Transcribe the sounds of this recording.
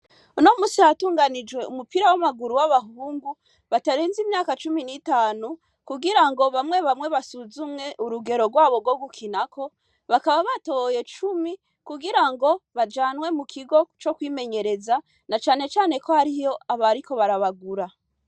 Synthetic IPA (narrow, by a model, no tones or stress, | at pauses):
uno̞muːsihatuːŋɡanid͡ʒɡwe̞umupiɾawamaɡuɾuwaβaɦuːŋɡu | βataɾeːnzimɲaːkat͡ʃuminiːtaːnu | kuɡiɾaŋɡo̞βamwe̞βamwe̞βasuzumŋe̞ʔuɾuɡe̞ɾo̞ɾɡwaːβo̞ɡwoɡukʰinakʰo̞ | βakaβaβatoje̞t͡ʃumi | kuɡiɾaŋɡo̞βad͡ʒaːnwe̞mukʰiɡo̞t͡ʃo̞kwiːme̞ɲe̞ɾe̞za | nat͡ʃaːne̞t͡ʃaːne̞ko̞haɾijo̞aβaɾiko̞βaɾaβaɡuɾa